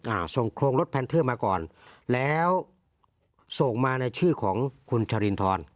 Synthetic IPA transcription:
ʔaː˧˩so˨˩ŋkʰɾoː˧ŋlo˦˥t̪̚pʰɛː˧nt̪ʰɤː˥˩maː˧kɔː˨˩nlɛː˦˥w | so˨˩ŋmaː˧na˧jt͡ɕʰɯː˥˩kʰɔː˩˦ŋkʰu˧nt͡ɕʰa˧ɾi˧nt̪ʰɔː˧n

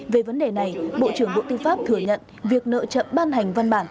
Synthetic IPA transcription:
ve˨˩və˨˦nɗe˨˩na˨˩jɓo̰˧˨t͡ɕɨ˧˩əŋɓo̰˧˨t̪ɨ˧faː˦˥p̚t̪ʰɨ˧˩əɲə̰˧˨n | vi˨˩ək̚nə̰ː˧˨t͡ɕə̰˧˨mɓaː˧nha˨˩jŋ̟va˧nɓaː˧˩n

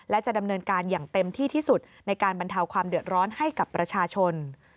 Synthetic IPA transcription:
lɛ˦˥t͡ɕa˨˩ʔda˧mnɤː˧nkaː˧njaː˨˩ŋt̪e˧mt̪ʰiː˥˩t̪ʰiː˥˩su˨˩t̪̚na˧jkaː˧nba˧nt̪ʰa˧wkʰwaː˧mdɯ˨˩ət̪̚ɾɔː˦˥nha˥˩jka˨˩pːɾa˧t͡ɕʰaː˧t͡ɕʰo˧n

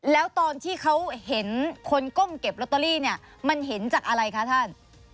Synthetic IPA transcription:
lɛː˦˥wt̪ɔː˧nt̪ʰiː˥˩kʰa˦˥whe˩˦nkʰo˧nko˥˩mke˨˩p̚ɾo˦˥t̪ːa˧liː˥˩ni˥˩ɐ | ma˧nɦe˩˦nt͡ɕaː˨˩k̚ʔa˧ɾa˧jkʰa˦˥t̪ʰa˥˩n

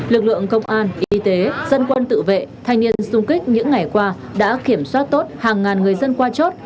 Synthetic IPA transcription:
lɨ˨˩k̚lɨ̰˧˨əŋkə˧wŋ͡mʔaː˧nʔi˨˦˧t̪e˨˦z̥ə˧nkwə˧nt̪ɨ̰˧˨vḛ˧˨t̪ʰa˧jŋ̟ni˧ənsʊ˧ŋ͡mki˦˥k̟̚ɲɨ̰˧˥ŋːa˨˩jkwaː˧ | ɗa̰ː˧˥ki˧˩əmswaː˦˥t̚t̪o˦˥t̚haː˨˩ŋːaː˨˩nŋɨ˨˩əjzə˧nkwaː˧t͡ɕo˦˥t̚

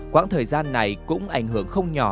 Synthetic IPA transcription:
kwa̰ː˧˥nt̪ʰəː˨˩jzaː˧nːa˨˩jkʊ̰˧˥ŋ͡mʔa˧˩jŋ̟ɦɨ˧˩əŋxə˧wŋ͡mɲɔ˨˧˩

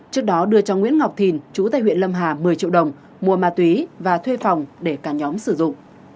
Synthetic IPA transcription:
t͡ɕɨ˦˥ək̚ɗɔ˨˦ɗɨ˧ət͡ɕɔ˧ŋwḭ˧˥ənŋa˨˩wk͡p̚t̪ʰi˨˩nt͡ɕu˨˦t̪aː˧˨jhwḭ˧˨ənlə˧mɦaː˨˩mɨ˨˩əjt͡ɕḭ˧˨əwɗə˨˩wŋ͡m | mu˨˩əmaː˨˩t̪wi˨˦vaː˨˩t̪ʰwe˧fa˨˩wŋ͡mɗe˧˩kaː˧˩ɲɔ˨˦msɨ˧˩zʊ̰˧˨ŋ͡m

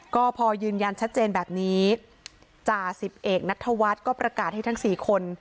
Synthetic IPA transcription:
kɔː˥˩pʰɔː˧jɯː˧nja˧nt͡ɕʰt̪̚t͡ɕeː˧nbɛː˨˩p̚niː˦˥ | t͡ɕaː˨˩si˨˩p̚ʔeː˨˩k̚na˦˥t̪ʰːa˧wa˦˥t̪̚kɔː˥˩pɾa˧kaː˨˩t̪̚ha˥˩jt̪ʰa˦˥ŋsiː˨˩kʰo˧n

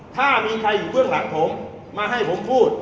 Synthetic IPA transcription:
t̪ʰaː˥˩miː˧kʰa˧jːuː˨˩pʰɯ˥˩sa˨˩k̚pʰo˩˦mː | aː˧ɦa˥˩jpʰo˩˦mpʰuː˥˩t̪̚

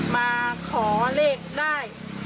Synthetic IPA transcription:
maː˧kʰɔː˩˦leː˥˩k̚daː˥˩j

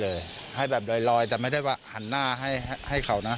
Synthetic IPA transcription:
lɤː˧j | ha˥˩jbɛː˨˩p̚lɔː˧jlɔː˧jt̪ɛː˨˩ma˥˩jda˥˩jwaː˧˥˩ha˨˩˦nːaː˥˩ɦa˥˩jha˥˩jkʰa˨˩˦wna˦˥

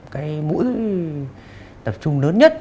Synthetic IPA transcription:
kaː˨˦jmṵ˧˥j | t̪ə˨˩p̚t͡ɕʊ˧ŋ͡mləː˨˦nɲə˦˥t̚

